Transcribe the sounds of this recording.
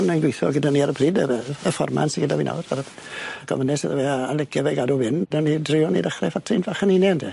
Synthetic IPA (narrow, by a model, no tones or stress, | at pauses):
nənɡwejθɔ̰ɡədaniaɾəbʰriːdəəfɔ̰rma̰nsɪɡədaviːna̰wrar | ɡʰɔ̰mənɛsəðəvɛaalɛɡɛvɛɡadɔvɪnədanidrɪɔnḭdəχrɛfatʰrinvaχəninɛndʰ